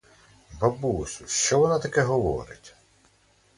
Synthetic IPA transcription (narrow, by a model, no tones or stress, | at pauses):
bɐbusʲuʃt͡ʃɔʋɔnat̪ɐkɛɦɔʋɔ̰ɾɪ̰tʲ